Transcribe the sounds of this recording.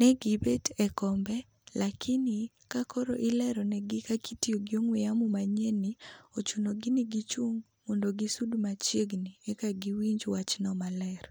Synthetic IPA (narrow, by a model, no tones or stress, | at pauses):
nɛɡibetɛkɔmbɛ | lakʰɪnɪ | kakɔɾɔʔɪlɛɾɔnɛɡɪkakʰitioɡɪoŋweamumaɲɛniot͡ʃunoɡinɪɡit͡ʃuŋ | mondoɡisudmat͡ʃjeɡniɛkaɡiwiɲd͡ʒwat͡ʃnɔmalɛɾ